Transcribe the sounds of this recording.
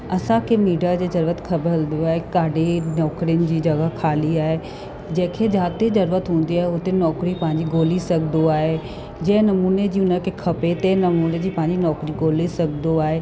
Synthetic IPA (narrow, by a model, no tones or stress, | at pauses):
ɐsãkʰemiːɖijad͡ʑeːzɐɾuːət̪kʰɐbəld̪oaːɦekaːɖʱenɔːkɾijənɪ̆d͡ʑiːd͡ʑɐɡəkʰaːliaːɦe | d͡ʑɐ̃ːkʰed͡ʑaːt̪ezɐɾuːət̪ɦũːn̆d̪iaːɦeʊt̪enɔːkɾipɐ̃ɦɪ̃ɲd͡ʑiɡoːlisɐɡʱnd̪d̪oaːɦe | d͡ʑɐ̃ɦɪ̃nɐmuːned͡ʑiːʊnəkʰekʰɐpet̪enɐmuːned͡ʑiːpɐ̃ɦɪ̃ɲd͡ʑinɔːkɾiɡoːlisɐɡʱnd̪oaːɦe